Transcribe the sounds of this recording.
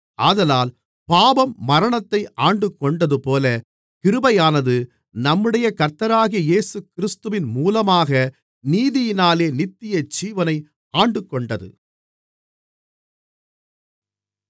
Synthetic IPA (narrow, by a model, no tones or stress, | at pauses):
ʔɐðɐlaːl | paːbɐmːɐɾɐɳɐt̪ːɐɪʔaːɳɖɯkːɔɳɖɐðɯpoːlɐ | kɪɾɯbɐjaːnɐðɯ | nɐmːɯɽɐjɐkɐɾt̪ːɐɾaːɣɪjɐjeːsɯkɪɾɪst̪ɯʋɪnmuːlɐmaːɣɐ | niːðɪjɪnaːleːnɪt̪ːɪjɐd͡ʒiːʋɐnɐɪ | aːɳɖɯkːɔɳɖɐðɯ̰